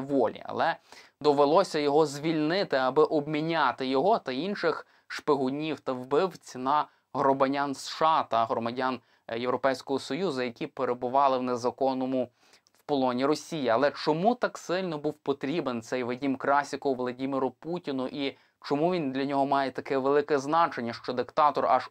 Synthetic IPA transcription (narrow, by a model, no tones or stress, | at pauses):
ʋɔlʲḭɐ̰lˠɛ | d̪ɔʋelˠɔsʲɐjɔɦɔzʲʋʲilʲnɪt̪ɪɐbɪʔɔbmʲinʲɑt̪ɪjɔɦɔt̪ɐinʃɪx | ʃpɪɦʊnʲiwt̪ɐwbɪwt͡sʲnɐ | ɦɾɔmɐdʲansʃɑt̪ɐɦɾɔmɐdʲan | jewɾɔpɛjsʲkɔɦɔsɔjuzɐjɐkʲipeɾebʊʋɑlˠɪwnezɐkɔnɔmʊ | wpɔlˠɔnʲiɾɔsʲijiɐlˠɛt͡ʃɔmut̪ɑksɪlʲnɔbuwpɔt̪ɾʲibent̪sɛjʋɐdʲimkɾɑsʲikɔʋlˠɐdʲimʲiɾʊputʲinʊʔi | t͡ʃɔmuʋʲind̪lʲɐnʲɔɦɔmɑjɛt̪ɐkɛʋelˠɪkɛznɑt͡ʃenʲːɐʃt͡ʃɔd̪ɪkt̪ɑt̪ɔrɐ̰ʒ